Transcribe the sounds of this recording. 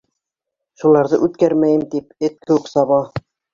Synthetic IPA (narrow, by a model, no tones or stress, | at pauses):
ʃulˠɑɾðɤʔʉt̪kæɾmæjɘmt̪ip̚ɘt̪̚kʰɘ̆wʉksɑβɑ